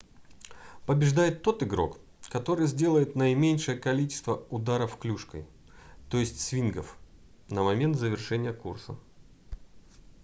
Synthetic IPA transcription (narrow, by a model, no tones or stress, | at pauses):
pəbʲɪʐd̪ajɪt̪ːo̞t̪ɨɡɾo̞̰k | kɐt̪o̞ɾɨjzʲdʲe̞lˠəjɪt̪nəɪmʲenʲʂəjəkɐlʲit͡ɕɪ̥st̪vəʊd̪aɾəfklʲuʂkə̰j | t̪o̞jɪsʲtʲsvʲinɡəf | nəmɐmʲe̞nt̪zəvʲɪrʂɛnʲɪjəkursə̰